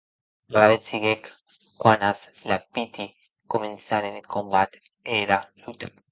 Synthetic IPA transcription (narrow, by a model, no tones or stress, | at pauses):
laɾaβet͡siɣek | kwanas | lapit̪i | koment͡saɾenekombat̪ | eɾalut̪ak